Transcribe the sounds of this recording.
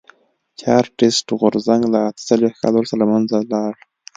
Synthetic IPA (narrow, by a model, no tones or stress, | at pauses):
t͡ʃɑɾʈɪsʈɣʊɾzaŋɡlaːt̪ə̥salwehka̰lawɾsalamanzalɑɽ